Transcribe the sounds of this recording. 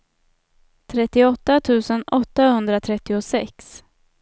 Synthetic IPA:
t̪ʰɾɛt̪ːɪɔt̪ːat̪ʰʉ̟ːsənɔt̪ːahɵnd̪ɾat̪ʰɾɛt̪ːɪʊsɛks

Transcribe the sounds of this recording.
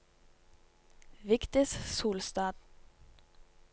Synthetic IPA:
ʋɪkt̪əssuːlst̪ɑːd̪

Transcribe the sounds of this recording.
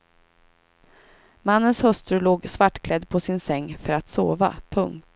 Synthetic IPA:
manːənshœst̪ɾʉloːɡsvaʈːkʰlɛd̪ːpʰɔsɪnsɛŋːfœɾat̪soːva̰pʰɵŋkt̪

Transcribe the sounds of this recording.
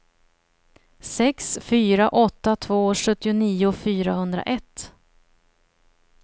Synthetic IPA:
sɛksfyːɾaʔɔt̪ːat̪ʰvoːʂɵt̪ːɪʊniːʊfyːɾahɵnd̪ɾa̰ʔɛt̪ː

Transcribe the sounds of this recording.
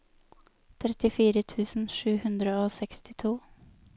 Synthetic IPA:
t̪ʰɾɛt̪ɪfiːɾət̪ʰʉːsn̩ʂʉːhʉnd̪ɾəoːsɛkst̪ɪt̪ʰuː

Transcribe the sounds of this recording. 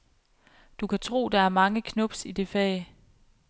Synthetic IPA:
d̥ukʰæt͡sʰʁo̝̰ːd̥ɑ̈æɐmɑ̈ŋəkʰnɔ̽b̥sid̥e̝fɛ̰ɪ

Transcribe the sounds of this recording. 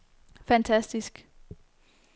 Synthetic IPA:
fænt͡sʰæsd̥isɡ̥

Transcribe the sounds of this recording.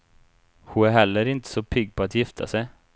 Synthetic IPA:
hʊæɾɦɛlːəɾɪnt̪ə̥sɔpʰʏɡ̚ːpʰɔat̪jɪft̪ʰa̰sɛj

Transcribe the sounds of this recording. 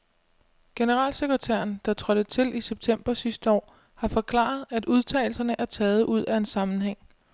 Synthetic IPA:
ɡ̥e̝nəʁɑ̰̈ːlse̝ɡ̥ʁɐt͡sʰæ̰ɐn̩d̥ɑ̈t͡sʰʁɒd̥ət͡sʰe̝lʔiseb̥̚t͡sʰem̰b̥ɐsisd̥əɒ̰ː | hɑ̈fɒ̽kʰlɑ̰̈ð̞̩ˠæduð̞ˠt͡sʰɛ̰ːɪl̩sɐnəʔæɐt͡sʰɛːð̞̩ˠʔuð̞̰ˠæe̝nsɑ̈mn̩ɦeŋ̰

